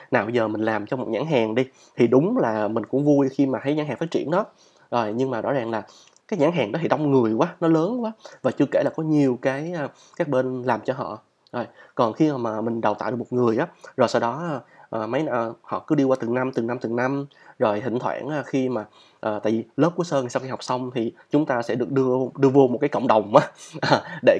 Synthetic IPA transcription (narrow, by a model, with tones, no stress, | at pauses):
naː˨˩wɓə˧zəː˨˩mï̟˨˩laː˨˩mt͡ɕɔ˧mo˨˩t̚ɲa̰ː˧˥˦ŋɦaː˨˩ŋɗi˧ | t̪ʰi˨˩ɗʊ˨˦ŋ͡mlaː˨˩mï˨˩ŋ̟kʊ̰˧˥ŋ͡mvu˧jxi˧maː˨˩t̪ʰa˨˦jɲaː˧˥ŋɦaː˨˩ŋfaː˦˥t͡ɕḭ˧˩ənɗɔ˨˦ | zo˨˩jɲɨ˧ŋmaː˨˩zɔ̰˧˥zaː˨˩ŋlaː˨˩ | kaː˨˦jɲaː˧˥˦ŋɦaː˨˩ŋɗɔ˨˦t̪ʰi˧˩ɗa˧wŋ͡mŋɨ˨˩əjkwaː˨˦nɔ˨˦ləː˨˦nkwaː˨˦vaː˨˩t͡ɕɨ˧ke˧˩laː˨˩kɔ˨˦ɲi˨˩əwkaː˨˦jʔəː˨˩ | kaː˦˥k̚ɓe˧nlaː˨˩mt͡ɕɔ˧ɦɔ̰˧˨ | zo˨˩jkɔ˨˩nxi˧aː˨˩maː˨˩mï˨˩ŋ̟ɗa˨˩wt̪a̰ː˧˨ɗɨ˨˩mo˨˩t̚ŋɨ˨˩əjʔaː˨˦zo˨˩jsa˧wɗɔ˨˦˨ʔəː˨˩ma˨˦jəː˨˩hɔ̰˧˨kɨ˨˦ɗi˧kwaː˧t̪ɨ˨˩na˧mt̪ɨ˨˩na˧mt̪ɨ˨˩na˧m | zo˨˩jhï˧˨ŋ̟t̪ʰwa̰ː˧˩nʔaː˨˧˩xi˧maː˨˩ | ʔəː˨˩t̪a̰ː˧˨jvi˨˩ləː˦˥p̚ku˨˦əsəː˧ŋaː˨˩jsaː˧wxi˧ɦɔ˨˩k͡p̚sa˧wŋ͡mt̪ʰi˨˩t͡ɕʊ˨˦ŋ͡mt̪aː˧sɛ̰˧˥ɗɨ˨˩ək̚ɗɨ˧əɗɨ˧əvo˧mo˨˩t̚kaː˨˦kə̰˧wŋ͡mɗə˨˩wŋ͡mʔaː˨˦ʔa˨˩ɗe˧˩